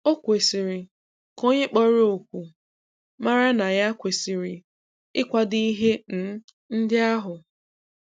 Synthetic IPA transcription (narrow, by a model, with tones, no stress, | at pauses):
o˦kʷe˨si˨ɾi˨ | ko˦ɲe˦k͡pɔ˦ɾe˦o˨kʷu˨ | ma˦ɾa˦na˨ja˦kʷe˨si˨ɾi˨ | ɪ˦kʷa˦di˦i˦ɦe˦n̩˨˦ | n̩˦dɪ˦a˦ɦʊ˨